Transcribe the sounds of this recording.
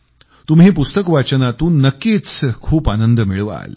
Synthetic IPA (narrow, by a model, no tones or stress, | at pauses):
t̪umɦiːpust̪əkʋat͡ɕənat̪uːnːəkːiːt͡skʰuːpanənd̪əmiɭʋa̰l